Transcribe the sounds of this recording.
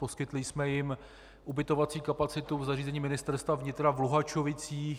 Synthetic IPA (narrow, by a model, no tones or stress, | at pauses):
po̞skɪt̪lɪsmɛjɪm | ʔubɪt̪ovat͡siːkapat͡sɪt̪uvzariːzɛɲiːmɪnɪst̪ɛɾst̪vavɲɪt̪ɾavluɦat͡ʃovɪt͡siː